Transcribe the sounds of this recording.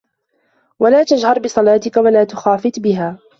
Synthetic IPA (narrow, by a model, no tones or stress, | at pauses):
walaːt̪ad͡ʒhɑɾˤbɪsˤɑlaːt̪ɪkawalaːt̪ʊxaːfɪt̪bɪɦaː